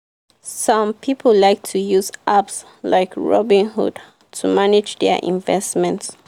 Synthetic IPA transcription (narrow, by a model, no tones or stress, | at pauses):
sɔ̃mpʰipʰəlaɪk̚tʰujuzʔaps | laɪkɹɔbĩnɦṵd | tʰumanɪd͡ʒdɛʔḭ̃ɱvɛsmɛ̃nt